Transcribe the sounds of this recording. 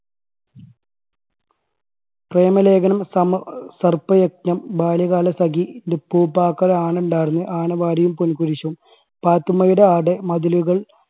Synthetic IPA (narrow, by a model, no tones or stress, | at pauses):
preːmɐle̞ːɡɐnɐmsɐmsɐrpɐjek̚nɐmbaːljɐɣaːlɐsɐɡiindepuːpaːkːɐɾɐaːɳuɳɖaːjɾunːɨʔaːɳɐʋaːɾɐjumpunikuɾiɕɐm | paːt̪ːumɐjiɽeaːɽemɐðiluɣɐɭ